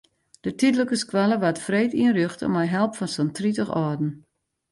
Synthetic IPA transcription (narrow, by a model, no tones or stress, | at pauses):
d̥ətidləkəskwaləʋatfreːtiənryxtɔ̰mɛjɦɛlˠpfɔnsontritəxɔədn̩